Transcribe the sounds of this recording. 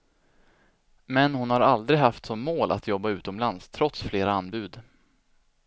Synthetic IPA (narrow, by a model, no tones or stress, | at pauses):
mɛnhʊnhaɾald̪ɾɪɡhaft̪sɔmːoːlʔa̰t̪jɔbːaʉ̟ːt̪ɔmlanst̪ʰɾɔt̪sfleːɾaanbʉ̟ːd̪